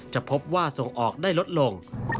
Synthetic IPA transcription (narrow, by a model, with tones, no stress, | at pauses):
t͡ɕa˨˩ʔpʰo˦˥p̚waː˥˩so˨˩ŋʔɔː˨˩k̚daː˥˩jlo˦˥t̪̚lo˧ŋ